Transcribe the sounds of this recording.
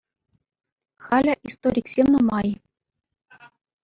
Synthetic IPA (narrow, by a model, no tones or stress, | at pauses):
χɑlʲɘ̆ʔist̪oɾʲiksʲemnɤ̆mɑj